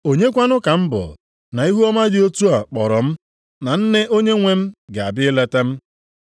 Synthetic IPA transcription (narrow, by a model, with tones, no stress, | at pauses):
o˨ɲe˦kʷa˦nʊ˦ka˨m̩˦bʊ̰˨ | na˨i˦ɦu˦ɔ˦ma˦d͡ʒɪ˨o˦tu˦a˨k͡pɔ˨ɾɔ˨m̩˦ | na˨n̩˦ne˦ʔo˦ɲe˦ŋʷe˦m̩˦ɡe˨a˨bɪ˦ɪ˦le˦te˦m̩˦